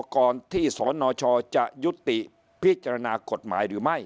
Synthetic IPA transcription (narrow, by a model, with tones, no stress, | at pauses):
kɔː˧nt̪ʰiː˥˩sɔː˩˨˦nːɔː˧t͡ɕʰɔː˧t͡ɕa˨˩ʔju˦˥t̪ːi˨˩ʔ | pʰi˦˥t̪̚t͡ɕa˧ɾa˧naː˧ko˨˩t̪̚ma̰ː˩˦jɾɯː˩˦ma˥˩j